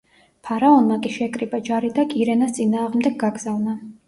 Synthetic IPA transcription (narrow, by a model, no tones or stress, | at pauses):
pʰaɾaɔnmakʼiʃɛkʼɾibad͡ʒaɾid̪akʼiɾɛnast̪sʼinaːʁmd̪ɛɡ̚ɡaɡz̥avna